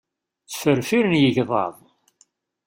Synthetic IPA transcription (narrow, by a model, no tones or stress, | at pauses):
θfəɾfiɾənjəʝðˤɑ̰ðˤ